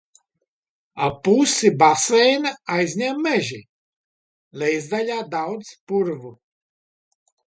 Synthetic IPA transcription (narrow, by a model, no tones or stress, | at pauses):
apusibasɛjnaajzʲɲɛmːɛʒi | lʲɛjzd̪aʎʲaːd̪awd̪spuɾvu